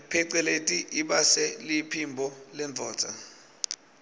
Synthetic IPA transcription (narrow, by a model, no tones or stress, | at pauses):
pʰɛǀɛletʼiʔiɓasɛlipʰimbʱɔlɛndʱɔːtʰʼa̰